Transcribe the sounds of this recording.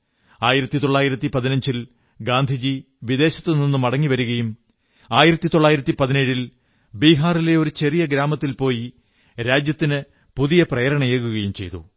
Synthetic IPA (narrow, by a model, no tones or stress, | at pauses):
aːjiɾɐt̪ːit̪o̞ɭːaːjiɾɐt̪ːipɐðinɐɲd͡ʑil | ɡaːnd̪ʱid͡ʑi | ʋiðe̞ːɕɐt̪ːɨninːumɐɽɐŋːiʋɐɾuɣɐjum | aːjiɾɐt̪ːit̪o̞ɭːaːjiɾɐt̪ːipɐðineːɻil | biːɦaːrile̞o̞ɾut͡ɕe̞rijɐɡɾaːmɐt̪ːilpo̞ːji | ɾaːd͡ʑjɐt̪ːinɨ | puðijɐprɐjɐɾɐɳɐjeɣuɣɐjumt͡ɕe̞jt̪ṵ